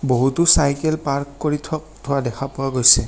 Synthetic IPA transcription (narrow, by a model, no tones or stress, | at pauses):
boɦutʊsajkɛlpaɹkkːoɹitʰɔk̚tʰɔwadɛkʰapʊwaɡojsɛ